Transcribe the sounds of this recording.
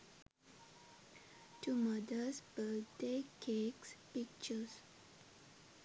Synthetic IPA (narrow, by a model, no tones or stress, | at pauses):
tumʌdəsbədekʰekspik̚t͡ʃəs